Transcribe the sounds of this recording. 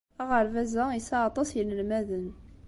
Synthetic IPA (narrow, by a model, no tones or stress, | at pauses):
aʁəɾvæzæisaɑt̪ˤɑsjənəlmæðən